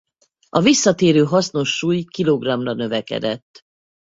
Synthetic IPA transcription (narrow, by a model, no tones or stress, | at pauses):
ɒvisːɒt̪eːɾøːɦɒsno̞ʃːuːjkiloɡrɒmrɒnø̞vɛkɛ̰d̪ɛt̪ː